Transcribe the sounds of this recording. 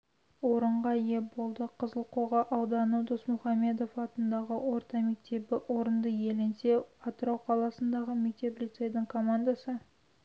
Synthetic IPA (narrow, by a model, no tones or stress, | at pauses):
wo̞ɾəɴʁɑje̞bo̞lˠd̪əqʰəzəlˠqʰoʁɑʔɑwd̪ɑnud̪osmuχɑme̞d̪o̞fɑt̪ənd̪ɑʁəwo̞ɾt̪ɑme̞k̚t̪e̞bɪʔo̞ɾənd̪əje̞lɪnse̞ɑt̪əɾɑwqʰɑlˠɑsənd̪ɑʁəme̞k̚t̪e̞plʲit̪se̞jd̪ɪɴkʰo̞mand̪asə